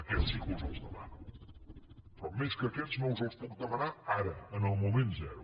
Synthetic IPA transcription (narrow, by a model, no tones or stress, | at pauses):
əkɛsiklulˠzəlˠzðəma̰nu | pɾɔmeskəkɛt̪z̥nõlˠzəlˠspuk̚d̪əmənaaɾəənəlˠmumẽnt̪zɛɾu